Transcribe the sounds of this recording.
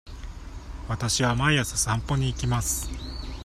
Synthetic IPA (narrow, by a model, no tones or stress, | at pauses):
βat̪aɕiβamaiasɨsɨ̥ãmpo̞ɲ̟iːkʲimasɨ̥